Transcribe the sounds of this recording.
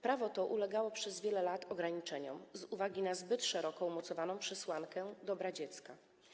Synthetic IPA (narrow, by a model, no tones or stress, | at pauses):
pɾavɔt̪ɔʔulɛɡawɔpʂɛzvʲjɛlɛlat̪ɔɡɾaɲit͡ʂɛɲɔmzuvaɡʲinazbɘt̪ʂɛɾɔkɔumɔt̪sɔvanɔ̃w̃pʂɛswaŋkɛd̪ɔbɾad͡ʑɛt̪ska